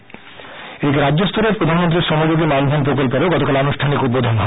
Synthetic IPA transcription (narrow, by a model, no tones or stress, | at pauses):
eikɾadːd͡ʑost̪oɾeɾpɾod̪ʱanmont̪ɾiɾʃɔmod͡ʑoɡimamd̪ʱonpɾokolpeɾoɡɔt̪okaleanuʃʈʰanikut̪̚bod̪ʱonɦɔ